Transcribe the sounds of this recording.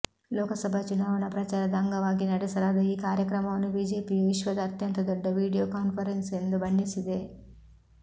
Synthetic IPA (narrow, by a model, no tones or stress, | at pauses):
lɔːkɐsɐbʱɐt͡ʃunaːʋɐnɐpɾɐt͡ʃaːɾɐd̪ɐŋɡɐʋaːɡinɐʈisɐɾaːd̪ɐiːkaːɾjɐkɾɐmɐmnubiːd͡ʒeːpiːʋiʃʋɐd̪ɐːt̪jɐnt̪ɐd̪ɔɖːɐʋiːɽijoːkaːnfʰɐɾensend̪ubɐɳɖisid̪eː